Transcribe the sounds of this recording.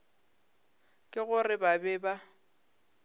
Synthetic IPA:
kʼɪɣʊrɪbabɛba

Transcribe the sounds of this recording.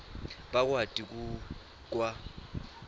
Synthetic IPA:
bak̬ʼwatʼik̬ʼu | kʼwa

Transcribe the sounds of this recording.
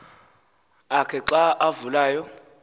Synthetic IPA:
akʰɛǁaavulaːjɔ

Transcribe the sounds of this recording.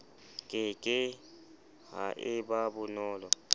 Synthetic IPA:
kʼɛkʼɛ | ɦa̰ʔɛɓaɓunɔːlɔ

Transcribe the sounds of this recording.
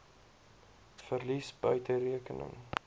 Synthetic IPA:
fərlisbœɥtəriəkənə̰ŋ

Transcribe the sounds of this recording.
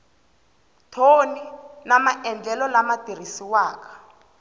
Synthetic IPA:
tʰoninamaʔɛnd͡ɮɛlɔlamad̥ʱir̤isiwaːkʰḁ

